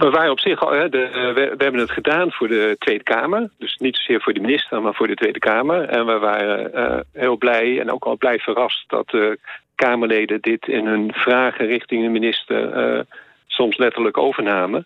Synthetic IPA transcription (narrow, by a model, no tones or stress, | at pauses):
ʋəʋaːrənɔpsɪχɦɛdəʋʋəɦɛbənətχədaːnv̥ʊːɹdətʋejdəkaːməɹdɵsnitso̥z̥ɪːɹvʊːdəminɪstərmaːɹv̥ʊːɹdətʋejdəkaːməɹɛnʋəʋaːrə̰ə̰ɦɪːlˠblɛjɛ̰no̰wkɑlˠblɛjv̥ərɑst̚d̥ɑ̰t̚dəkaːməɹlejdəndɪtʰɪ̰nɦɵnv̥raːχərɪχtɪŋdəminɪstə̰ɹə̰ | sɔmslɛtəɹləkowvəɹnaːmən